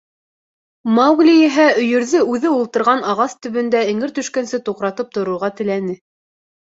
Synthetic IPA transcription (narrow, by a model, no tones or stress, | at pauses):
mɑwɡlʲijɘ̆ɦæɵ̆jɵ̆ɾðɘʉðɘulˠt̪ɤ̆ɾʁɑnɑʁɑst̪ɵ̆βɵ̆nd̪æɘ̆ŋɘɾt̪ɵ̆ʃkænsɘt̪uqɾɑt̪ɤp̚t̪ŏɾŭɾʁɑt̪ɘ̆lænɘ